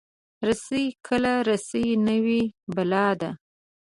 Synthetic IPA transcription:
ɾasəjkʰəlaɾasəjnəwibalɑd̪a

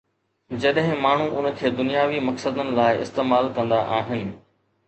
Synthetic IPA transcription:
d͡ʑɐɗɦɪ̃maːɳ̤uʔʊnə̆kʰeːd̪ʊnijaːʋimɐksəd̪ənɪ̆laːɪɪ̰st̪eːmaːlkɐ̃nd̪aʔaːɦɪnɪ̆

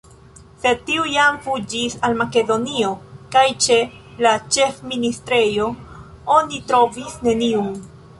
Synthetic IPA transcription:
se̞tiujamfud͡ʒisalmake̞do̞nio̞kajt͡ʃe̞ | lat͡ʃe̞fministɾe̞jo̞ | o̞nitɾo̞visne̞niun

